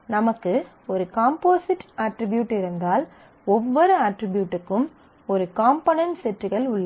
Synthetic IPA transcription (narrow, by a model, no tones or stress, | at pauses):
nɐmɐkːɯ | ɔɾɯkaːmpoːsɪʈaːʈɾɪbjuːʈːɪɾɯnd̪aːl | ɔʋːɔɾɯaːʈɾɪbjuːʈːɯkːɯm | ɔɾɯkaːmpɐnɐnsɛʈrɯɣɐɭʊɭːɐ